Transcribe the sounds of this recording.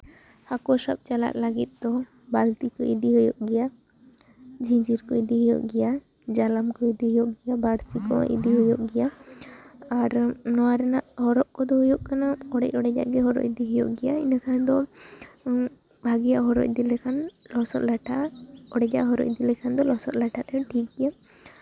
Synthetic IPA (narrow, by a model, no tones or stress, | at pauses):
hakɔsap̚t͡ʃala̰ʔ̪̚laɡit̪̚d̪ɔ | balt̪ikɔḭd̪iɦɔjɔʔɡɛja | d͡ʒĩd͡ʒiɾkɔid̪ihɔjɔ̰ʔɡɛja | d͡ʒalamkɔid̪iɦɔjɔʔɡɛjabaɽsikɔ̰ʔḭd̪iɦɔjɔʔɡɛja | aɾnɔwaɾɛnaʔhɔɾɔʔkɔd̪ɔhɔjɔʔkanaɔɽɛcɔɽɛd͡ʒa̰ʔɡɛɦɔɾɔ̰cd̪iɦɔjɔʔɡɛjainakʰand̪ɔ | bʱaɡijaʔɦɔɾɔ̰c̚d̪ilɛkʰanlɔsɔt̪̚laʈʰaʔɔɽɛd͡ʒa̰ʔɦɔɾɔ̰ʔ̚d̪ilɛkʰand̪ɔlɔsɔt̪̚laʈʰat̪ɛʈʰik̚ɡɛja